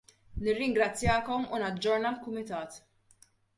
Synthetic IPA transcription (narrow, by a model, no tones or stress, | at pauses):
nɪrːɪŋɡɾɐt͡sːjɐːkɔmunɐd͡ʒːɔɾnɐlkʊmɪt̪ɐːt̪